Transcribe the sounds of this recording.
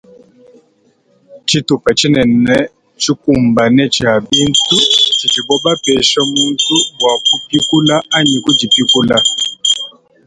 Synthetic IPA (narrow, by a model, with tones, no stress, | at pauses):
t͡ʃi˦tu˨pa˨t͡ʃi˦nɛ˨nɛ˦ | t͡ʃi˦ku˨mba˨nɛ˦t͡ʃa˨bi˦ntu˦t͡ʃi˨d͡ʒi˨bɔ˦ba˦pɛ˨ʃɔ˦mu˦ntu˦wa˨ku˦pi˦ku˦la˦a˦ɲi˨ku˦d͡ʒi˨pi˦ku˦la˦